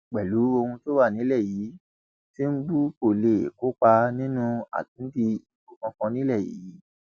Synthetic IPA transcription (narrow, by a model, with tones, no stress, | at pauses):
k͡pɛ˨lu˨˦o˧hũ˧to˦wa˦˨nĩ˨˦lɛ˦˨jiː˨˦ | ti˦n̩˦ɡ͡bu˦ko˦˨le˨e˨ko˨˦k͡pa˧nĩ˦nũ˦a̰˨tĩ˨˦n̩˦di˧i˨bo˨kɔ̃˧kɔ̃˧nĩ˦lɛ˦˨jḭ˨˦ji˨˦